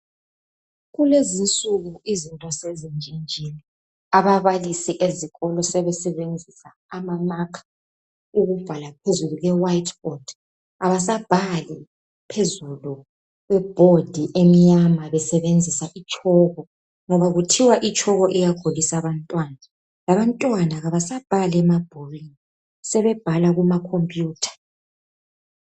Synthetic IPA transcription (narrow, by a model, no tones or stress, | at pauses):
ɣulezint͡sʼuɣuizintʼɔsezind͡ʒʱind͡ʒʱini | aβaβalisiʔeziɣɔlɔsɛβɛsɛβend͡zʱisaːmamakʰḁ | uɣuv̥ʱalapʰezuluɣɛwaitʰɔd̥ | aβas̬ab̥ʱali | pʰezulu | ɣwɛb̥ʱod̥ʱiʔemiɲamaβɛsɛβend͡zʱisaʔit͡ʃʼɔːɣɔ | ŋɔβaɣutʰiwaʔit͡ʃʼɔɣɔʔɛjaɡ̥ʱolisaβantʼwana | laβantʼwanaɣaβasab̥ʱalɛmab̥ʱoriŋ | sɛβɛb̥ʱalaɣumakʰompʼjuːtʰḁ